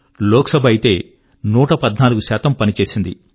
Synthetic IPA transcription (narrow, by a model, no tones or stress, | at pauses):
lɔːksɐbʱɐjit̪e̞ː | nuːʈɐpɐd̪naːluɡusaːt̪ɐmpɐnit͡ʃe̞ːsind̪i